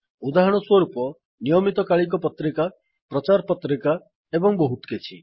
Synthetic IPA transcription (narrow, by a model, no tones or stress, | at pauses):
ud̪aɦɔɽ̃ɔswɔɾupɔ | nijɔmit̪ɔkaɭik̬ɔpɔt̪ɾika | pɾɔt͡ʃaɾpɔt̪ɾika | ebɔŋbɔɦut̪ket͡ʃʰḭ